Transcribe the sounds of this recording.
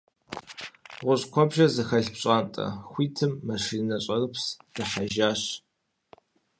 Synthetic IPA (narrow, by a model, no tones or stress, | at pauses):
ʁʷʊɕqʷɔbʒɐzɨxɐɬpɕʼaːntʼɐ̰xʷiːtʰɨmːɐʂinɐɕʼɐrɨpʰsd̥ɨħaʒaːɕ